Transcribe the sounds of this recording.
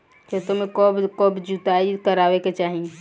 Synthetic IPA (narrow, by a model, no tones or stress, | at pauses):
ket̪omekɔbkɔbd͡ʒut̪aikəɾaʋeket͡ʃaɦi